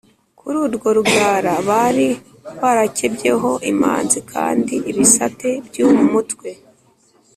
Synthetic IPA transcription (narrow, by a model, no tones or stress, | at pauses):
kuɾuːɾɡo̞ɾubɡaːɾaβaɾi | βaɾacebje̞ɦo̞ʔima̰ːnzikʰa̰ːndiʔːβisate̞bjuːmumutwe̞